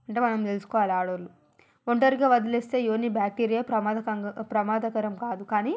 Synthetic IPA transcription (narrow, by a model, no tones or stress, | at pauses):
ɐɳʈ̬eːmɐnɐmt̪elusu̥kɔːʋaːliaːɽɐɾlu | oɳʈɐɾiɡaːʋɐd̪ileːst̪e̞ːjoːnibjaːk̚ʈiɾijɐɾɐd̪ɐpɾɐmaːd̪ɐkɐɾɐmkaːd̪ukaːniː